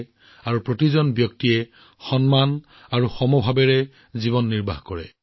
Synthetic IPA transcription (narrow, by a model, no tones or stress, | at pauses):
aɹupɹotizɔnbjɔk̚tiɛ | xɔnman | aɹuxɔmɔbʱabɛɹɛ | zibɔnːiɹba̰ɦkɔɹɛ̰